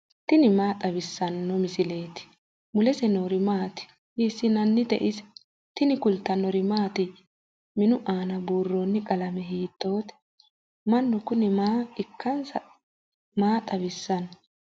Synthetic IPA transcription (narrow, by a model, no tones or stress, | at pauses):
t̪ɪnɪmaːt̪ʼɐβɪsːɐnːɔmɪsɪle̞ːt̪ɪ̥ | mʊlɛsɛnoːɾɪmaːt̪ɪ̥ | iːsːɪnɐnːɪd̪ɛʔɪs | t̪ɪnɪkʊlt̪ːɐnɔɾɪmaːt̪ɪ | mɪnʊʔaːnɐbuːrːoːnːɪkʼɐlɐmɛɦiːt̪ːo̞ːt̪ɛ̥ | mɐnːʊkʊnɪmaːɪkːɐnsɐ | maːt̪ʼɐβɪsːɐn